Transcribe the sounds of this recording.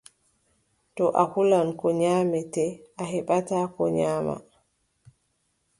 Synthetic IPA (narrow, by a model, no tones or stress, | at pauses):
tɔʔahulankɔɲaːmɛtɛʔaɦɛɓataːkɔɲaːma̰